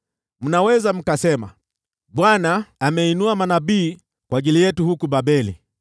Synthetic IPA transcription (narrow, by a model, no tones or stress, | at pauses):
m̩nawɛzam̩kasɛma̰ | ɓwanaːmɛinuamanaɓiː | kwaʄilijɛtuhukuɓaɓɛlḭ